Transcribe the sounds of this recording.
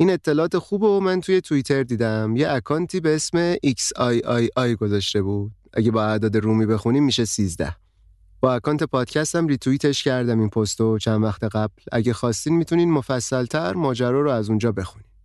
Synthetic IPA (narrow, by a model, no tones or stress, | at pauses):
ʔiːne̞t̪ʰːe̞lɒːt̪ʰexuːbomænt̪ʰuje̞t̪ʰuit̪ʰe̞ɾd̪iːd̪æmjeʔækʰɒːnt̪ʰiːbeesme̞ʔicsɒjɒjʔɒːjɡo̞zɒːʃt̪e̞buːd̪̥̚ʔæ̰ɟe̞bɒːæd̪ɒːd̪eɾuːmiːbe̞xuniːmːiːʃe̞siːzd̪æ̰h | b̥ɒːækɒːnt̪ʰe̞pʰɒːd̪̥cʰæst̪æmrit̪ʰuiːt̪ʰe̞ʃcʰæɾd̪æminpʰost̪ot͡ʃʰænvæxt̪ʰe̞ɣæblæ̰ɟexɒːst̪iːnd̪mit̪ʰuniːd̪mo̞fæsːælt̪ʰæɾmɒːd͡ʒæɾɒːɾoæzund͡ʒɒːbe̞xuni̥ː